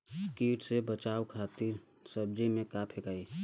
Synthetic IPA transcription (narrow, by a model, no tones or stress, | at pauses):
kiːʈsebət͡ʃaːwkʰaːt̪iɾ | səb̚d͡ʒimẽkaːpʰekae